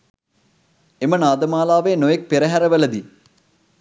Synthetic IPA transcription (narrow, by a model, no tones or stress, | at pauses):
emɐnaːd̪ɐmaːlaːʋeːnojɐk̚piɾɐɦɐɾɐʋɐlɐd̪i